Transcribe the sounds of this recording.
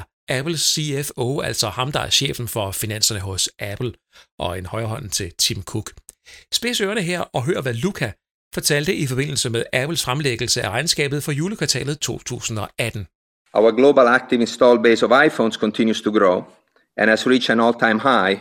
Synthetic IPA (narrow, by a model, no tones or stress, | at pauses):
ʔæpl̩siefoæl̰sɒ̽hɑ̈md̥ɑ̈æɐɕḛːfn̩fɒ̽finæn̰sɐnəɦɔ̽sʔæpʰl̩ | ʔɒ̽enhɒɪɐɦɒ̽n̰n̩t͡sʰe̝lt͡sʰimkʰuɡ̥sb̥e̝søːɐnəɦeɐ̰ɒ̽ɦøːɐʋælukʰæ | fɒ̽t͡sʰæl̰d̥əʔifɒ̽be̝n̰l̩səmeðˠæpl̩sfʁamleɡ̥əl̩səæʁɑ̈ɪnsɡ̥ɛ̰ːb̥ð̞̩ˠfɒ̽juːləkʰʋɑ̈t͡sʰɛ̰ːlð̩ˠt͡sʰo̝̰ːt͡sʰṵːsn̩ɒ̽ʔæd̥n̩ | ʔawəɡloːbalæk̚t̪ivĩnst̪ɔlbeɪsɔvaɪfõnskɔ̃nt̪ʰĩnjust̪uɡɾoː | ʔɛ̃næzɹit͡ʃæ̃nɔlt̪ʰãɪ̃mhaɪ